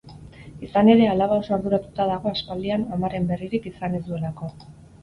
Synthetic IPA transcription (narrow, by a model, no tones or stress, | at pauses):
isane̞ɾe̞alaβaosoaɾðuɾat̪ut̪að̞aɣ̞o̞aspald̪ianamaɾe̞mbe̞riɾikisanisue̞lako̞